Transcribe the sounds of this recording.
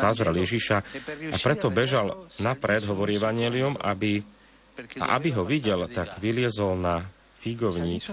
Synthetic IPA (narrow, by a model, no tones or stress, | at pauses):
azɾɛljɛʒiʃaʔa̰pɾɛt̪ɔbɛʒalnapɾɛd̪ɦɔʋɔɾiːɛʋaɲɪɛliuma̰bi | ʔa̰ʔa̰biɦɔʋiɟɛlt̪aɡʋilɪɛzɔlna | fiɡɔʊɲiːk